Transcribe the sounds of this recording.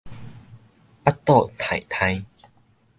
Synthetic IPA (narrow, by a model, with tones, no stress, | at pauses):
a˦˥t̪ːɔ˥˧˨t̪ʰa˨˩˨jt̪ʰã˧j